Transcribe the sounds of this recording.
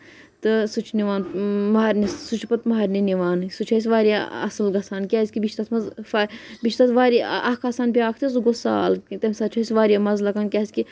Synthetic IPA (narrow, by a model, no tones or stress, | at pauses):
t̪ɨsut͡ʃʰniʋaːnmɐɦaːɾʲnissut͡ʃʰpɐt̪mɐɦaːɾʲniniʋaːnsut͡ʃʰɐs̬ʲʋaːɾijaɐ̰sɨlɡɐsaːnkʲaːsʲkʲibit͡ʃʲt̪ɐt̪ʰmɐzfabit͡ʃʰt̪ɐt̪ʰʋaːɾɐkʰasaːnpʲaːkʰt̪ʰisuɡosa̰ːlt̪ɐmʲsaːt͡ʃʰɐisʲʋaːɾijaːmɐzlɐkankʲaːɐsʲki